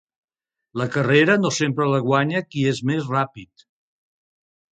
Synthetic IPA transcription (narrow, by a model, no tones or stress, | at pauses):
ləkəreɾənosempɾələɣwaɲəkiezmezrapit̪